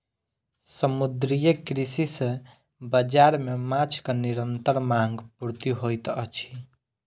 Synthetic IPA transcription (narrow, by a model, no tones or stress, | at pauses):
səmud̪ɾijəkɾisisə̃ | bəd͡ʒaɾmemat͡ʃʰkəniɾənt̪əɾmaŋɡpuɾt̪iɦojt̪ə̰t͡ʃʰi̥